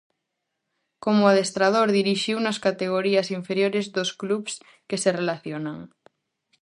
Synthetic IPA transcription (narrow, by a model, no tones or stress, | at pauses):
komoaðest̪ɾað̞oɾðiɾiʃiwnɐskat̪eɣ̞oɾiɐsiɱfeɾjoɾezðoskluβs | keserelaθjonaŋ